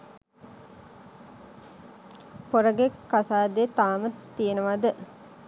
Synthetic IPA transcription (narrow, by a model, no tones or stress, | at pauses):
poɾəɡekːasaːd̪et̪aːmət̪ːijenəʋad̪ə